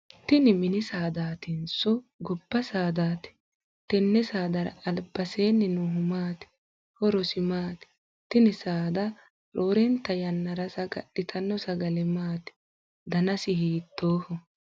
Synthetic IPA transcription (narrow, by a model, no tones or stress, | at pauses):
t̪ɪnɪmɪnɪsaːd̪aːt̪ɪnsɔɡɔbːɐsaːd̪aːt̪ɛ̥ | t̪ɛnːɛsaːd̪ɐɾɐ̰ɐlbɐseːnːɪnʊɦʊmaːt̪ɪ̥ | hɔɾɔsɪmaːt̪ɪ̥ | t̪ɪnɪsaːd̪ɐ | ɾoːɾɛnt̪ːɐjɐnːɐɾɐsɐɡɐ̰ɗːɪt̪ʰɐnːɔsɐɡɐlɛmaːt̪ɪ̥ | d̪ɐnɐsɪhiːt̪ʰːoːhɔ